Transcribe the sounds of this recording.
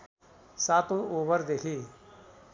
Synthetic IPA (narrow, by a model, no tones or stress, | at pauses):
saːt̪õoːbəɾd̪ekʰiː